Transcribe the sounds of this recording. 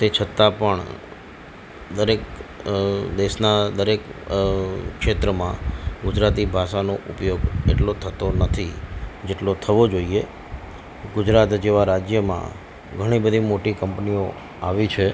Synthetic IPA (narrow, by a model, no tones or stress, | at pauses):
t̪et͡ʃʰət̪apəɳ | d̪əɾek̚ | d̪eʃnad̪əɾek | kʃet̪ɾəmãɡʊd͡ʒɾat̪ibʱaʃanoʔʊpjoɡḛʈlot̪ʰət̪onət̪ʰid͡ʒeʈlot̪ʰəʋod͡ʒoie | ɡʊd͡ʒɾat̪d͡ʒeʋaɾad͡ʒjəmã̰ | ɡʱəɽ̃ibəd̪ʱimoʈikəmpnio̰ | a̰ʋit͡ʃʰe